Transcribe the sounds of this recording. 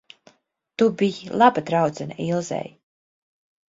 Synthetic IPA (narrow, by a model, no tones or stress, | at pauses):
t̪ubijilˠabat̪ɾawt̪sɛna̰ilˠzɛ̰j